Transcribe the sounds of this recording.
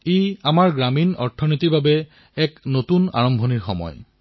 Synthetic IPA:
ejamaɹɡɹaminɔɹtʰːɔnitiɹbabɛ | ɛknotuna̰ɹɔmbʱoniɹxɔ̰mɔ̰j

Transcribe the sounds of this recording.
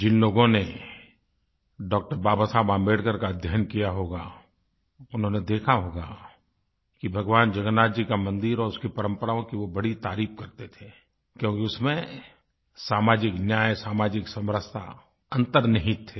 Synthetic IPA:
d͡ʒɪnloːɡõne | ɖɔːk̚ʈəɾbaːbasaːbãːmbeːɽkəɾkad̪ʱjaːnkijaɦoːɡa̰ | ʊnɦõːned̪eːkʰaɦoːɡaː | kibʱɐɡʋaːnd͡ʒɐɡənaːd͡ʒikamɐ̃nd̪ɪɾɔːɾʊskipɐɾə̃mpəɾaːõkiʋobɐɽit̪aːɾiːpkɐɾt̪et̪ʰe | kjõːkiʊsmẽ | saːmaːd͡ʒɪknjaːjsaːmaːd͡ʒɪksɐ̃mɾəst̪ʰa̰ | ɐ̃nt̪əɾnɐɦĩt̪ʰːeː

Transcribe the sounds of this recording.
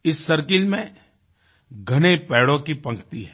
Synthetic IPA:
ɪsːɐɾk̬ɪlmẽ | ɡʱɐnepɛːɽõkipɐ̃ŋkt̪iɦɛː

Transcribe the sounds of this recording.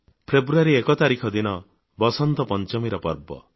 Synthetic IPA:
pʰɾebɾuaɾiekɔt̪aɾikʰɔd̪inɔ | bɔsɔnt̪ɔpɔnt͡ʃɔmiɾɔpɔɾbɔ̰

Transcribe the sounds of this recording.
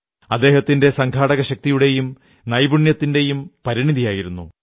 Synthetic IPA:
ɐd̪ːe̞ːɦɐt̪ːinde̞sɐŋkʰaːɽɐɣɐɕɐk̚t̪ijuɽe̞jum | nɐjbuɳjɐt̪ːinde̞jumpɐɾiɳiðijaːjiɾunːṵ

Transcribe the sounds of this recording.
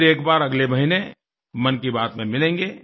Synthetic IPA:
eːkbaːɾɐɡlemɐɦine | mɐnkibaːt̪mẽmɪlẽːŋɡeː

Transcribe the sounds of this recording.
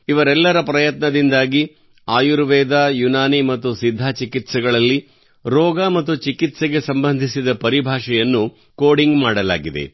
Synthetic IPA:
iʋɐɾɛlːɐɾɐpɾɐjɐt̪nɐd̪ind̪aːɡi | aːjuɾʋɛːd̪aːjunaːnimɐt̪ːusid̪ʱːaːt͡ʃikit̪sɛɡɐɭɐlːi | ɾɔːɡamɐt̪ːut͡ʃikit̪seɡe̞sɐmbɐnd̪ʱisid̪ɐpɐɾibʱaːʂɛjɐnːu | koːɽiŋɡmaːɽɐla̰ːɡid̪e̞̰

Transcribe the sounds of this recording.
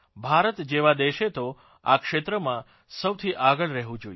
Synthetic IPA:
bʱaɾət̪d͡ʒeʋad̪eʃet̪o | a̰kʃet̪ɾəmã | səwt̪ʰiʔaɡəɭɾɛɦʋũd͡ʒoj

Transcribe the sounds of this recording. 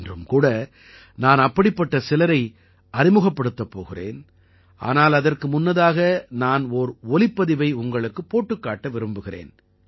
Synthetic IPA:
ndrɯmkuːɽɐ | naːnɐpːɐɽɪpːɐʈːɐsɪlɐɾɐɪ | ɐɾɪmɯɣɐpːɐɽɯt̪ːɐpːo̰ːɣɪrḛːn | ʔa̰ːnaːlɐðɐrkɯmʊnːɐðaːɣɐnaːnɔɾɔlɪpːɐðɪʋɐɪʊŋɡɐɭɯkːɯpːoːʈːɯkːaːʈːɐʋɪɾɯmbɯɣɪrḛːn

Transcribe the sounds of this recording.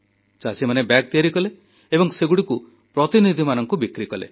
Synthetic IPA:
t͡ʃasimanebak̚t̪iaɾikɔle | ebɔŋseɡuɽiku | pɾɔt̪inid̪ʱimanɔŋkubikɾikɔlḛ

